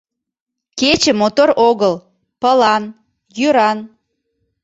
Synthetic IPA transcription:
ket͡ɕəmot̪oɾʔoɣəl | pəlɑn | jyɾɑn

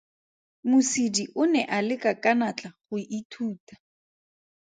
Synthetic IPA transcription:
mʊsidiʔʊnɛʔalɪkʼakʼanat͡ɬʼaχʊʔitʰuːtḁ

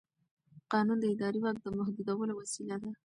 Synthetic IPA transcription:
qɑnund̪əɪd̪ɑɾiwak̚d̪əmahd̪ud̪awəlowasilad̪a

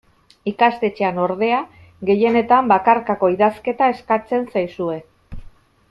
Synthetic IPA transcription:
ikast̪et͡ʃeano̞ɾðe̞a | ɣe̞je̞ne̞t̪ambakaɾkako̞iðaske̞t̪ae̞skat͡se̞nsajsue̞

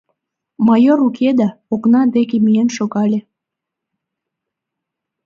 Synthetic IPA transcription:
mɑjoɾukʰed̪ɑoknɑd̪ekemienʃoɣɑlʲe

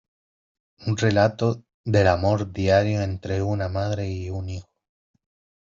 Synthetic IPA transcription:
unrelat̪o | ðe̞lamo̞ɾd̪jaɾjoent̪ɾeunamaðɾeiunixo

